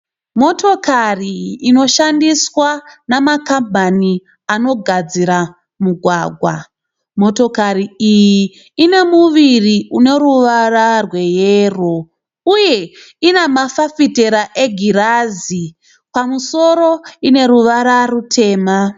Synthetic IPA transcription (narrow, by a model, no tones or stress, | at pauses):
mo̞to̞kariːno̞ʃandiswanamakambʱani | ano̞ɡʱad͡ziɾa | muɡʱwaːɡʱwa | mo̞to̞kaɾiijiː | ne̞muʋiriune̞ɾuʋararwe̞jero | uje̞ | inemafafite̞ɾaʔe̞ɡʱiɾazi | pamuso̞ɾo̞ine̞ɾuʋaɾarutʰe̞ːma